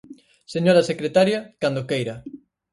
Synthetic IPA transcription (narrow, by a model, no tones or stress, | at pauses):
seɲoɾasekɾet̪aɾjakand̪okejɾa